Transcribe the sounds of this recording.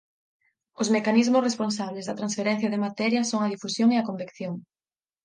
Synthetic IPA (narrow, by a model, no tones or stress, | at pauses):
ʊzmekanizmʊsresponsaβlezðɐt̪ɾãnsfeɾɛ̃n̟θjɐðɪmat̪ɛɾjɐsoŋɐðifusjoŋeɐkombekθjoŋ